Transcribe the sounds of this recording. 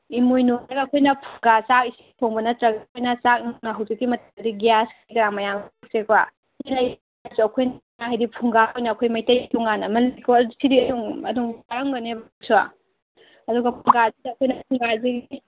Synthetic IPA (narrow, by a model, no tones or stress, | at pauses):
imojnoɡaːkʰojnɐpʰu̥ŋɡasak̚isipʰoŋbɐnɐtɾɐɡak̚ojnɐsak̚nnɐɦɐwzikːimɐtɐdiɡijaskʰjɡaɾaŋmɐjaŋk̚sekʰwa | ilaj | suɐkʰojn | aɦajdipʰuŋɡaojnɐɐkʰojmajtɐjtuŋanɐmɐlkʰoɐddisidiɐduŋɐduŋaɾaŋbɐnebsua̰ | ɐduɡɐpʰuŋɡazidiɐkʰojnɐp̚ʰuŋɡaziɡi